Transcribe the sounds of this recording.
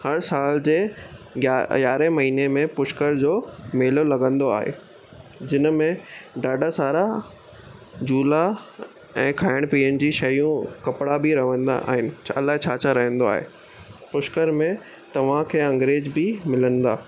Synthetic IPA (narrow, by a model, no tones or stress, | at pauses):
hɐɾsaːld͡ʑeː | ɡjaːɾemɐɦiːnemẽpʊʃkəɾd͡ʑoːmeːlolɐɡə̃nd̪oa̰ːɦḛː | d͡ʑɪnəmẽɖaːɖasaːɾa | d͡ʑuːla | ɛ̃ːkʰaːɪɽ̃piːənɪ̆d͡ʑiːʃɐjũkɐpɽabɪɾɐʋə̃nd̪a̰a̰ːɦɪnɪ̆ɐlaːɦet͡ɕʰaːt͡ɕʰaɾɐɦə̃nd̪oa̰ːɦḛː | pʊʃkəɾmẽ | t̪ɐʋ̤ãkʰeːɐ̃ŋɡɾeːd͡ʑbɪmɪlə̃nd̪a̰ː